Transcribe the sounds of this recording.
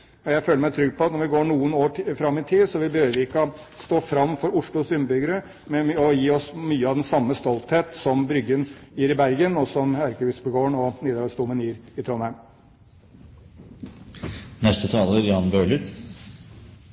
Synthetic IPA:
ɔjæɪføːləɾmæɪt̪ʰɾʏɡpʰɔɑt̪nɔɾʋɪɡoːɳuːənoːfɾɑmːɪt̪ʰɪsɔʋɪbəhøːʋəʋɪɪkːɔ | st̪oːfɾɑmːfɔɾʊʂɭʊsʏmbʏɡəɾə | mɛɔjiːɔsmyːəɑʋd̪ɛnsɑmːəst̪ɔlt̪heːt̪sɔmbɾʏɡənjiːɾɪbæɾɡənɔsɔmæɾkəʋɪsbəɡoːəɳɔneːd̪əlɑst̪uːmənjiːɾɪt̪ʰɾɔnhæɪm | nɛst̪ət̪ʰɑːləɾjɑnbøːləɾ

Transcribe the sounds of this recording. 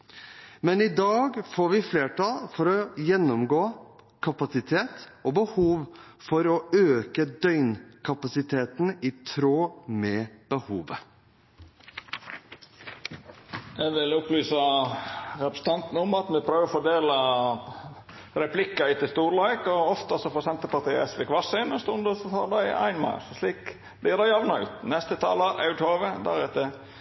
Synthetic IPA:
mɛnɪd̪ɑːɡfoːɾʋɪfleːʈɑlfɔɾɔjɛnːɔmɡoː | kʰɑpɑsɪt̪ʰeːt̪ɔbəhuːʋ | fɔɾɔøːkəd̪œʏnkʰɑpɑsɪt̪ʰeːt̪n̩ɪt̪ʰɾoːmɛːb̥əhuːʋə | ɛʋɪlʊplyːsɑ | ɾɛpɾə̥sn̩t̪ɑnt̪n̩əʊmɑt̪mɛpʰɾøːʋəfɔɖ̪eːlɑ | ɾɛpʰlɪkːɑɪt̪ɪlst̪uːɾlɑɪkɔɔft̪əsɔfɔsɛnt̪əpɑt̪ʰɪɛ̰sʋɪkʋɑsɪnɔst̪ʊnd̪əsɔt̪ʰɑ̰ːld̪ɑɪʔæ̰ɪnmɑ̰ːssliːk | b̥̪ɪæɾɑjɑʋnɑʉ̰ːt̪nɛst̪ət̪ʰɑ̰ːləʔɑʉʈ̪ʰoːʋəd̪æ̰ɾɛt̪ːə

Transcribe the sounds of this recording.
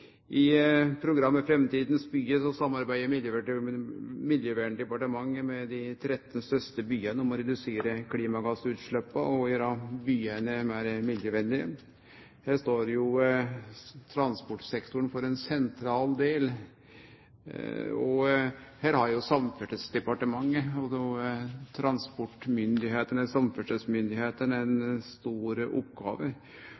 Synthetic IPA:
ʔɪpʰɾʊɡɾɑmːəfɾɛmt̪iːd̪nsbyːəsɔsɑmːɑɾbæɪd̪əɾmɪljəʋæʈ | mɪljəʋæːɳɖ̪ɛpɑʈəmɑŋːəmɛd̪ɪt̪ʰɾɛt̪ːnst̪œst̪əbyːənəɔmɔɾɛd̪ʉseːɾəkʰliːmɑɡɑsːʉːt̪ʂɭœpːəɔjəɾɑbyːənəmæɾmɪd̪jəʋɛnd̪ɪə̰ | hæːʂt̪oːɾjʊ | t̪ʰɾɑnspɔʈsɛkt̪ʊɳfɔɾɛnsɛnt̪ʰɾɑːld̪eːl | ɔhæːɾhɑɾjʊsɑmfɛʈəsd̪ɛpɑʈəmɑŋːəɔɔt̪ʰɾɑnspɔʈːmʏnd̪ɪheːt̪ənɛsɑmfœʈəsmʏnd̪ɪheːt̪ənɛnst̪uːɾəʔɔ̰pːɡɑ̰ːʋə

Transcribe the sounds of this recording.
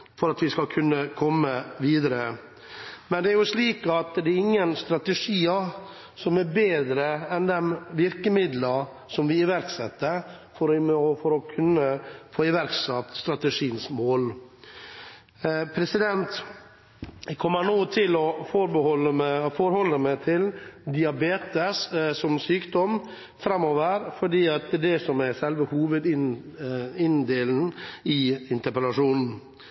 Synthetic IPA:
fɔɾɑt̪ʋɪskɑkʰʉnːəkʰɔmːəʋiːd̪əɾə | mɛnd̪ɛæɾjʊʂliːkɑt̪d̪ɛæɾɪŋːənst̪ɾɑt̪əʂiːə | sɔmɛɾbeːd̪ɾəɛnd̪ɛmʋɪɾkəmɪd̪lɑ | sɔmʋɪɪʋæɾksɛt̪ːə | fɔɾɔfɔɾɔkʰʉnːəfoːɪʋæɾksɑt̪st̪ɾɑt̪əʂiːənsmoːl | pʰɾɛsɪd̪ɛnt̪ | kʰɔmːəɳoːt̪ʰɪlɔfɔɾbəhɔlːəmfɔɾhɔlːəmæɪt̪ʰɪld̪ɪɑbeːt̪əssɔmsyːkd̪ɔm | fɾɑmːoːʋəɾfɔɖiːɑt̪̚d̪ɛsɔmæsɛlʋəhuːʋəd̪ɪn | ɪnd̪eːln̩ɪɪnt̪əɾpəlɑʂuːnn̩

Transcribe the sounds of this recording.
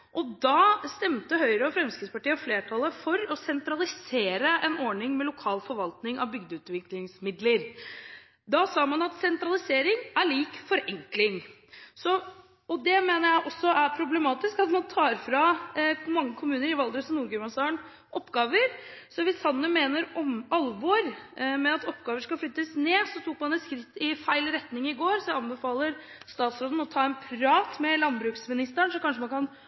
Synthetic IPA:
ʔɔd̪ɑst̪ɛmt̪əɦœʏɾəɔfɾɛmskɾɪspɑʈiːəɔfleːʈʰɑləfɔɾɔsɛnt̪ɾɑlɪseːɾəʔɛnɔɳɪŋmɛlʊkʰɑːlfɔɾʋɑlt̪nɪŋɑ̰ʋbʏɡd̪əʉːt̪ʋɪklɪŋsmɪd̪ləɾ | d̪ɑsɑːmɑnɑt̪sɛnt̪ɾɑlɪseːɾɪŋæɭiːkfɔɾɛŋklɪŋ | sɔ | ɔd̪ɛmeːnəɾjæɪʔɔsːɔʔæɾpʰɾʊblɛmɑːt̪ɪskɑt̪mɑnt̪ʰɑːɾfɾɑmɑŋːəkʰʊmʉːnəɾɪʋɑld̪ɾəsɔmnuːɾɡʉmɑnsɑːəɳ | ʔɔpːɡɑːʋəɾsɔʋɪshɑnːəmeːnəɾɔmɑlʋɔɾmɛɑt̪ɔpːɡɑːʋəʂkɑflʏt̪ːəsneːsɔt̪ʰʊkːmɑnd̪æskt̪ɪfæɪlɾɛt̪nɪŋɪɡoːɾsɔɑnbəfɑːləɾst̪ɑːt̪sɾoːd̪n̩ɔt̪ʰɑːɛnpʰɾɑːt̪mɛlɑnbɾʉːksmɪnɪst̪əɳsɔkʰɑnʂəmɑnkʰɑn

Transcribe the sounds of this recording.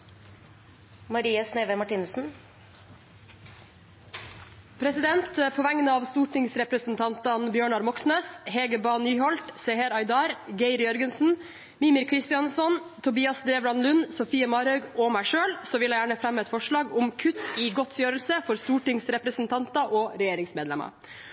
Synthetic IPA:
mɑɾiːəsneːʋemɑʈiːnʉsn̩ | pʰɾɛsɪd̪ɛnt̪pʰoːʋæŋənəɑːʋst̪uːʈɪŋsɾɛpɾəsn̩t̪ʰɑnt̪ɑnbjøːɳɑɾmɔksneːsheːɡəbɑːnyːhɔlt̪seːhəɾɑɪd̪ɑːɾɡeɪɾjœɾɡənsn̩ | miːmɪɾkʰɾɪst̪ɪɑnsɔnt̪ʰʊbiːɑsd̪ɾeːʋɾɑnlʉnsɔfiːəmɑːɾœʉɡɔmæɪʂøːlsoːʋɪlæɪjæːɳəfɾɛmːɛt̪fɔʂɭɑːɡʊmkʰʉt̪ːiːɡɔt̪sjøːɾəlsəfɔɾst̪uːʈɪŋsɾɛpɾəsn̩t̪ʰɑnt̪ɑʔoːɾɛjeːɾɪŋsmeːd̪lɛ̰mɑ̰

